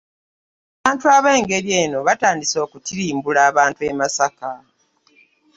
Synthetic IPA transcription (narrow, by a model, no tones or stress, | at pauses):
aβaːntuaβe̞ːŋɡe̞ɾjeːno̞βataːndiso̞ːkutiɾiːmbulaːβaːntue̞masaka